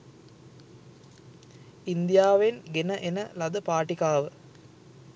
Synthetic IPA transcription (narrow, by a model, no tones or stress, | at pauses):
ind̪ijaːʋenɡenəʔenəlɐd̪əpaːʈikaːʋə